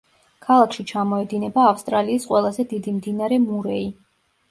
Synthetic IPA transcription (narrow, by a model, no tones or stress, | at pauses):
kʰalˠakʰʃit͡ʃʰamɔɛd̪inɛbaːfst̪ʼɾaliːsqʼwɛlˠazɛd̪id̪imd̪inaɾɛmuɾɛi